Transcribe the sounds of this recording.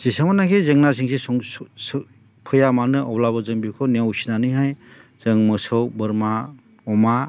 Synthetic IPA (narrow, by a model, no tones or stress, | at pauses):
z̥isamanakʰezeŋnas̬iŋseɔs | pʰɯjamanɯʔɔwlabɐzɯŋbikʰɔniawusinanɯjɦajz̥ɯŋmɯsɯwbɯɾma | ɔma